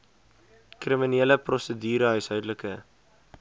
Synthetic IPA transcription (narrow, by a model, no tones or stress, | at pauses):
kriminiːləprɔsədyːɾəɦœɥsɦœɥdləkə